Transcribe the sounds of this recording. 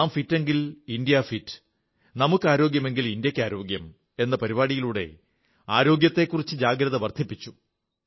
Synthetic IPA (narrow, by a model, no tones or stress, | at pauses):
mfitːe̞ŋɡilind̪ijɐfitːɨ̥ | nɐmukːɨaːɾo̞ːɡjɐme̞ŋɡilind̪jɐkʲːaːɾo̞ːɡjɐm | e̞nːɐpɐɾiβaːɽijiluːɽe̞̰ | aːɾo̞ːɡjɐt̪ːe̞kːurit͡ɕːɨd͡ʑaːɡɾɐðɐʋɐrd̪ʱipːit͡ɕːu̥